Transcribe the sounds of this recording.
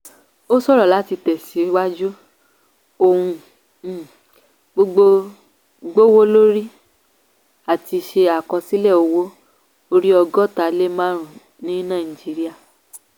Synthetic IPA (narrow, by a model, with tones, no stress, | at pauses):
o˦sɔ˦ɾɔ˨la˨˦ti˧tɛ˨si˨˦wa˦d͡ʒu˦ | o˧˨hũ˧˦˨ | ɡ͡bo˦ɡ͡bo˧ | ɡ͡bo˦wo˦lo˦ɾi˦ | a˨ti˧ʃe˧a˨kɔ̃˧si˦lɛ˦˨o˧wo˦ | o˧ɾi˦ɔ˧ɡɔ˦ta˧le˦mã˦ɾ̃ũ˨ | nĩ˨˦nã˦˨i˨d͡ʒi˨˦ɾi˦a˦˨